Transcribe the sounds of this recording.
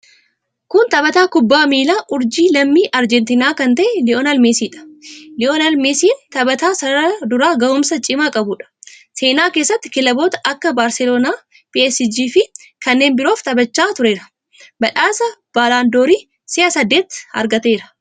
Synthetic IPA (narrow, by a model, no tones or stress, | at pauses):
kʊnt̪ɐbɐt̪aːkʊbːaːmiːlaːʔʊɾd͡ʒiːlɐmːiːʔɐɾd͡ʒɛnt̪ɪnaːkɐnt̪ɐʔɛlɪʔoːnɐlmeːsiːᶑɐ̥lɪʔonɐlmeːsiːnt̪ɐbɐt̪aːsɐɾɐd̪ʊɾaːɡɐʊmsɐt͡ʃʼɪmaːkʼɐbʊᶑɐ̥se̞ːnaːkeːsːɐt̪ːɪ̥kɪlɐbo̞ːt̪ɐʔɐkːɐbaːɾsɛlo̞ːnaː | piɛsɪd͡ʒiːfɪ | kɐnːeːnbɪɾo̞ːft̪ʼɐbɐt͡ʃːaːt̪ʊɾe̞ːɾɐ̥ | bɐᶑaːsɐb̥aːlaːnd̪oːɾiː | sɪʔɐsɐd̪ːe̞ːt̪ɐ̰ɾɡɐt̪e̞ːɾɐ̥